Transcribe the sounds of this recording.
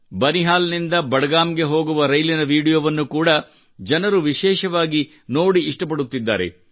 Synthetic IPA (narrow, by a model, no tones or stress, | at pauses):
bɐniɦaːlɐnind̪ɐbɐɽɐɡaːmɡe̞ɦo̞ːɡuʋɐɾɐjlinɐʋiːɽijoːʋɐnːukuːɽɐ | d͡ʒɐnɐɾuʋiʃɛːʃɐʋaːɡi | no̞ːɽiːʂʈɐp̬ɐɽut̪ːid̪ːa̰ːɾe̞̰